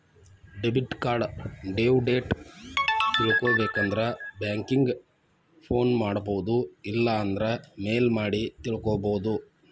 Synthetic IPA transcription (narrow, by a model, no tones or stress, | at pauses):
ɖebiʈkaːɾɖɖeːwɖe̞ːʈ | t̪iɭukoːbeːkɐnd̪ɐɾebjaːŋkiŋɡ | pʰo̞ːnmaːɽboʋud̪uilːɐːnd̪ɐɾɐme̞ːlmaːɽit̪iɭukoːboːd̪u